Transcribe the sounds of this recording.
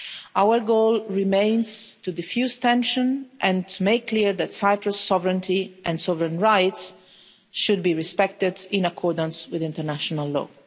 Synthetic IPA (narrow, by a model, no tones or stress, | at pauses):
awəɹɡoːlɹimẽɪ̃nzt̪ud̪ɪfjust̪ɛ̃nʃə̃nʔɛ̃nt̪ʰumeɪkːliɹd̪ætsajpɾəsːɔvɹə̃nt̪ʰiʔɛ̃ndsɔvɾɛ̃nɹaɪts | ʃud̪̚biɹispɛk̚t̪ɪd̪ɪ̃nakʰɔɹd̪ə̃nswɪðɪ̃nt̪əɹnæʃɔnalːɔ̰ː